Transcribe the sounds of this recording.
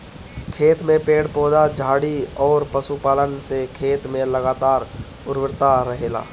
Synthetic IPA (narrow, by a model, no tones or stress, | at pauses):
kʰeːt̪mẽpeːɽpɔːd̪ad͡ʒʱaːɽiɔːɾpəsupaːlənsekʰeːt̪mẽləɡaːt̪aːɾ | ʊɾʋɪɾt̪aɾəɦeːla̰ː